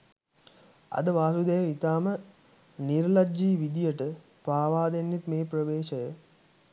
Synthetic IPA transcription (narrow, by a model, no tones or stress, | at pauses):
a̰d̪əʋaːsud̪əjəit̪aːmə | niɾlad͡ʒːiːʋid̪ijəʈə | paːʋaːd̪enːet̪meːprəʋeːʃəjə